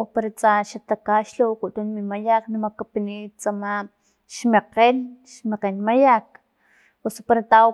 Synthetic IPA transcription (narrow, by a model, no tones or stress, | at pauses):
opaɾat͡saʃat̪akaʃlowkut̪unmimajaknamakapinit͡sama | ʃmeqenʃmeqenmajak̚ | puso̥paɾat̪a